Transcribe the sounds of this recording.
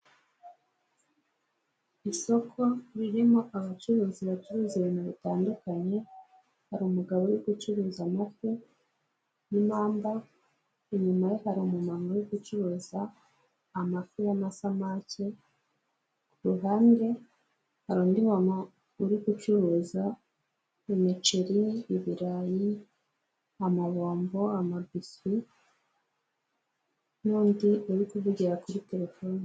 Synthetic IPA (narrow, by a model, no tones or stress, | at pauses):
iso̞kʰo̞ɾiɾimo̞ʔaβat͡ʃuɾuːziβat͡ʃuɾuzienaβitaːndukaɲe̞ | haɾumuɡaβojiɡut͡ʃuɾuːzamaku | nimaːmba | iɲumajohaɾimumamojoɡut͡ʃuɾuːzaː | mafujamasamaːce | kuɾuɦaːnde̞ | haɾoːndimama | uɾikut͡ʃuɾuːza | emit͡ʃeɾiːβiɾaji | amaβoːmbo̞amabisi | nuːndiuɾikuβuɟiɾakuɾite̞ɾe̞foːni